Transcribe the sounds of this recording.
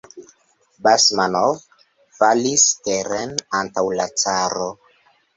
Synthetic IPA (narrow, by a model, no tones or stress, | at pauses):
basmanov | falisteɾenantawlat͡saɾo